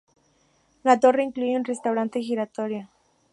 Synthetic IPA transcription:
nat̪oreiŋklujunrest̪awɾant̪exiɾat̪oɾja

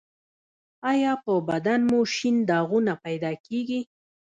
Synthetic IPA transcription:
ɑjɑpəbad̪anmoʃɪnd̪ɑɣunapajd̪ɑkeɡi

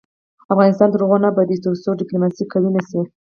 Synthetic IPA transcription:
afɣɑnɪst̪ɑnd̪əɾoɣonabad̪it̪uɾsoɖɪplomɑsikːawinasi

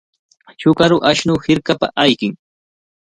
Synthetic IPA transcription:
t͡ʃʊkaɾʊʔaʃnʊhɪɾkapa̰ʔajkɪŋ

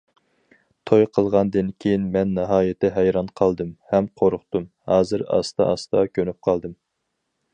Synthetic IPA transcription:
t̪ʰojqʰəlˠʁɑnd̪ɨnkʲʰejinmɛnːɑɦɑːjɪt̪ʰɛɦɛjɾɑnqʰɑlˠd̪ɨmhɛmqʰoɾʊχt̪um | hɑːzɨɾɑ̰st̪ɑ̰ʔɑst̪ɑkʲʰønyp̚qʰɑlˠd̪ɨm

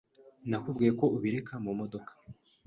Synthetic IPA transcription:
nakubɡiːjeko̞uβiɾekʰamumo̞do̞kʰḁ

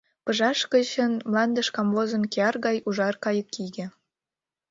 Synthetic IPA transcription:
pɤʒɑʃkə̆t͡ɕə̆nmlˠɑnd̪ə̆ʃkɑmlozɤ̆nkʲeɑrɣɑjuʒɑrkɑjə̆kːiɡʲĕ

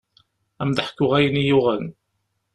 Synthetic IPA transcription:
æmd̪əħə̥kːʊʁæjənijʊʁæn

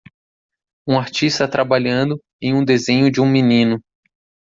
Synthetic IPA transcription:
ũaɾt͡ʃist̪ɐt̪ɾʔabaʎɐ̃nd̪ʊ | ẽj̃ũd̪ezẽɲʊd͡ʒɪũminĩnʊ

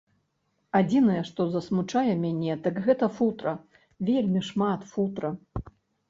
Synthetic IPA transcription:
ad͡zʲinɐjɛʂt̪ɔzɐsmut͡ʂajɛmʲanʲɛt̪ɐkɣɛt̪ɐfut̪ɾɐ | vʲelʲmʲiʂmat̪fut̪ɾɐ

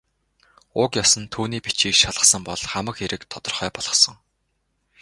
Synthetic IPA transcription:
ʊkjɔsə̆nt̪ʰuːniːpit͡ɕiːkʃaɮə̆χsə̆mpɔɮχamə̆kxeɾɘ̆kt̪ʰɔt̪ɞ̆rχœːpɔɮʁɞ̆sɞ̆ŋ

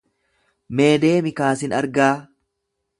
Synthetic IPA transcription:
me̞ːd̪e̞ːmɪkaːsɪnɐɾɡaː

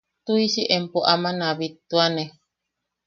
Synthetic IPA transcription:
t̪uisiʔempoʔamãnãβit̪uane

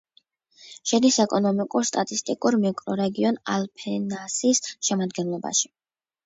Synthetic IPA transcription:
ʃɛd̪isɛkʼɔnɔmikʼuɾst̪ʼat̪ʼist̪ʼikʼuɾmikʼɾɔɾɛɡiɔna̰lpʰɛnasisʃɛmad̪ɡɛnlˠɔba̰ʃi̥

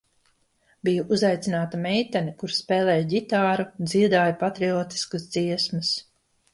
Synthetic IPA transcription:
bijuʔuzajt̪sinaːt̪amɛjt̪ɛnikuɾspɛːlɛːjɟit̪aːɾud̪zid̪aːjapat̪ɾioːt̪i̥skasd̪ziɛsmɨs

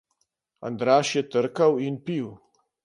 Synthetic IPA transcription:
a̰nd̪ɾaːʃjɛt̪əɾkawinpiw

